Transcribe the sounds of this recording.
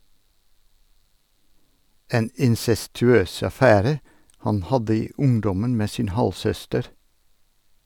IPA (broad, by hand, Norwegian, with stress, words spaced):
ˈeːn ɪnsɛstʉˈøːs ɑˈfæːɾə ˈhɑn ˈhɑdə ˈiː ˈʊŋdɔmən ˈmeː ˈsiːn ˈhɑlsœstəɾ